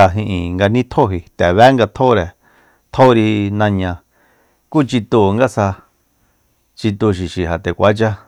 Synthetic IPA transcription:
a˧ɦĩ˧ʔĩ˨ŋɡa˧nĩ˦t̪ʰo˦ɦi˨t̪ɛ˨βɛ˦ŋɡa˧t̪ʰo˦ɾe˨ | t̪ʰo˦ɾi˧nã˧ɲã˧ | kuː˦t͡ʃi˧t̪u˧˨˧ŋɡa˦sa˧ | t͡ʃi˧t̪u˧ʃ̬i˨ʃi˨ɦa˨t̪e˨kʷa˨˦t͡ʃa˦

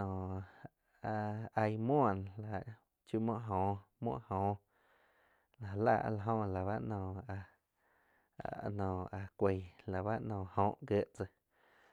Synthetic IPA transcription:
ɔ̃ː˨ | a˧a˧jmɔ̃˦˨n˨la˨ʔ | t͡ʃju˧˦mɔ̃˦˨ʔɦõː˨mwɔ̰̃˦ʔhõː˨ | la˨la̰˧˨ʔla˧˨ɦõ˧la˨βa˦ʔnɔ̃ː˨a˧˨ | nɔ̃ː˨a˧kʷe˨la˨βa˦ʔnɔ̃ː˨hõ˧˨ʔɡə˧ʔt͡sə˧

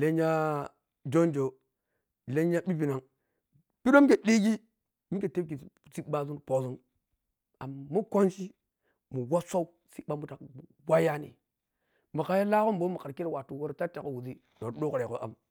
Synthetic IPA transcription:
le˦ɲa˦ | d͡ʒo˦nd͡ʒo˨ | le˦ɲa˦bi˦vi˨na˨ŋ | pi˦ɾo˦m˦ke˨di˦ɡi˦ | mi˦ke˨te˦b̚ki˨˦˨si˦ɓa˦zu˦npo˨zu˦n | a˨mːu˦ko˦nʃi˦ | mu˨wa˦sʷa˦u˦ | si˦ɓa˦mu˦ta˨ku˨ | wa˦ja˦nḭ˨ | ma˨ka˨ja˦la˦ko˦mbo˦mu˨ka˨ɾki˦ɾwa˨tu˨wo˦ɾta˦ta˨ko˨wu˨zi˦ | no˨ɾdo˦kɾe˨ko˦ʔa̰˦m

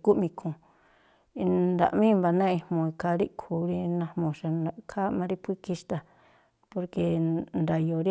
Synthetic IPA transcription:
ku˦ʔmĩ˧kʰõ˨˧ | nd̪a̰˨ʔmĩ˦˧mba˨nã˦˧ĩ˧mõ˧i˧kʰa˧ɾi˦ʔkʰu˨˦ɾi˧nã˧mõ˨ʃa˧kʰa˦mã˧ɾi˦pʷi˦ki˧ʃt̪a˧ | po˧ɾke˧nd̪a˨jo˨ɾi˦

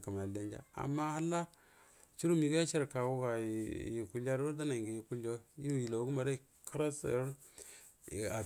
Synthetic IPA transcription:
ka˨m˨a˨le˦nd͡ʒa̰˨a̰˨mːa˦ha˦la˦ | t͡ʃi˦ɾu˦mi˨ɡja˦t͡ʃe˦ɾka˨wu˦ɡa˨ji˨ku˨la˦ɾda˦na˨ɡi˨ji˨ku˦lo˦ji˦˨ji˨lo˨˦ɡu˦ma˨ɾa˦i˨ | ki˦ɾa˦sɾ | a˨

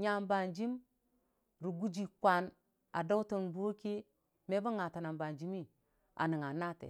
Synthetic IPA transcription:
ɲa˨mba˨nd͡ʒi˦m | ɾu˨ɡu˦d͡ʒi˨kʷa˨n | a˨do˦wto˨nbu˦o˦ki˦ | me˦bu˦ŋa˨ta˨na˨mba˨nd͡ʒi˦mi˦ | a̰˨ni˨ŋa˨na˦tḛ˨

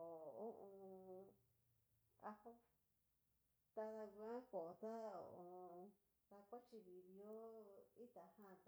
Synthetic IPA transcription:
o˨o˦ʔõ˧ | a˧ho˦ | t̪a˧ða˧ɡu˧ã˦ko˨t̪a˦o̰˨õ˧ | ða˧kʷa˦t͡ʃi˧βi˨βjo˦i˦t̪a˨˧hã˦˨t̪a˧

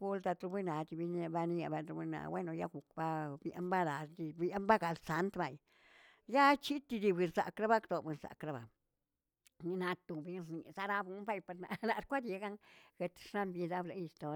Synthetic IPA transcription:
ɡu˦lt̪a˧t̪ɾu˧bi˦na˨t̪i˧bi˧n˧˦a˧ba˧ni˦ja˧ba˧t̪u˧bu˦na̰˨we˦no˧ja̰˦ɡu˨kba˦bja̰˦mba˦la˨sd̪i˧ba˦mba˦ɡa˨˧lsa˧nt̪ba˨j | ja˦t͡ʃi˦t̪i˧d̪i˧be˧nsa̰˨kɾa˦ba˦kd̪o˨be˨˧nsa̰˨kɾa˦ba˨ | ni˧na˧t̪u˨bi˧ɾni˨za˦ɾa˦bu˧˦mba˦jpa˧ɾna̰˨na˨˧ɾkʷa˦d̪e˧ɡa˦ŋɡe˧t̪ʂna˦mbi˧d̪a˦bla˧˦ji˧st̪o˧

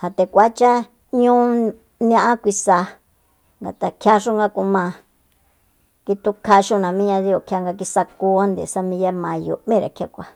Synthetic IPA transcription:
ha˨t̪e˧kʷa˨˦t͡ʃa˦ | ɲũ˦ | ñ˧ã˦ʔã˦kʷi˧sa˧ | ŋɡa˨t̪a˨kʰja˦ʂu˦ŋɡa˦ku˧mã˧ | ki˧t̪u˧kʰa˧ʃu˦nã˨mĩ˦ɲã˧ði˧o˨kʰja˧ŋɡa˧k̬i˧sa˧ku˧˦a˦nd̪ḛ˨sa˧mĩ˧ja˦mã˧jṵ˨ʔmĩ˦ɾa˨kʰʲa˦kʷa˧

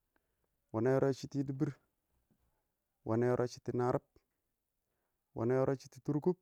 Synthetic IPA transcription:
wa˨na˦jo˦ɾa˦t͡ʃi˦ti˦di˦bi˦ɾ | wʔa̰˨na˦jo˦ɾʔa˦t͡ʃi̥˦ti˨na˦ɾa˦p̚ | wʔa̰˨na˦jo˦ɾʔo˦t͡ʃi̥˦ti˨tu˦ɾku˦p̚

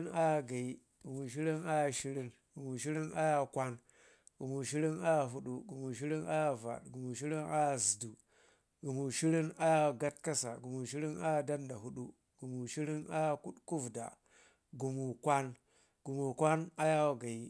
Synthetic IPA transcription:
na˦ja˦ɡa˨i˦ | ɡ̥u˨mu˨ʃi˦ɾi˦na˦ja˦ʃi˦ɾi˦n | ɡ̥u˨mu˨ʃi˦ɾi˦na˦ja˦˨kʷa˦n | ɡ̥u˨mu˨ʃi˦ɾi˦na˦ja˨ɦu˦ɗu˦ɡu˨mu˨ʃ̬i˦ɾi˦na˦ja˦va̰˨tɡu˨mu˨ʃi˦ɾi˦na˦ja˦zi˨du˨ | ɡu˨mu˨ʃi˦ɾi˦na˦ja˦wɡa˦tka˦sa˨ɡu˨mu˨ʃi˦ɾi˦na˦ja˦˨da˦nda˨ɦu˦ɗu˦ | ɡ̥u˨mu˨ʃi˦ɾi˦na̰˦ja˦ku˦ɗku˦vda̰˨ | ɡu˨mu˨kʷa˦n | ɡ̥u˨mu˨kʷa˦na˦ja˦wa˦˨ɡa˨i˦

